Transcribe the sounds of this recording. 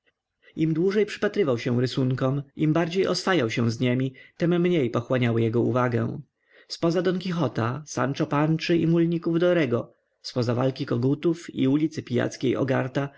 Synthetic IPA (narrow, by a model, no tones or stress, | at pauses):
imd̪wuʐɛjpʂɘ̥pat̪ɾɘvawɕɛ̃ɾɘsuŋkɔmimbaɾd͡ʑejʔɔsfajawɕɛ̃w̃zɲemʲit̪ɛmːɲejpɔxwaɲawɘjɛɡɔṵvaɡɛ̰̃w̃ | spɔzad̪ɔnkʲixɔt̪asa̰nt͡ʂɔpant͡ʂɘimulɲikuvd̪ɔɾɛɡɔ | spɔzavalkʲikɔɡut̪ufḭulʲit̪sɘpʲija̰t̪skʲejɔ̰ɡa̰ɾt̪a